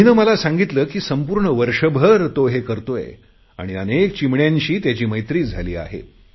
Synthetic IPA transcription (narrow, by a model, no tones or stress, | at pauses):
ɦinəːməlasãŋɡit̪ləːkiːsəmpuːɾɳəʋəɾʂəbʱəɾt̪oɦekəɾt̪ojḛ | a̰ɽ̃iənekt͡ɕimɳjaɲt͡ɕiːt̪jat͡ɕiːməjt̪ɾiːd͡zʱaliːa̰ɦḛ